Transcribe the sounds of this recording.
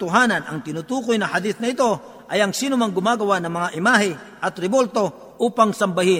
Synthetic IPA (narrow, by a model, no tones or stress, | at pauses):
t̪ʊɦaːnɐnʔɐ̰ŋt̪ɪnut̪uːkojnɐhɐd̪iθnɐɪt̪o̞ | ʔɐjɐŋsiːnʊmɐŋɡʊmaːɡɐwanɐŋmɐŋaʔɪmaːɦɪ | ʔɐt̪ɾɛbo̞lt̪o̞ | ʔuːpɐŋsɐmbɐhɪn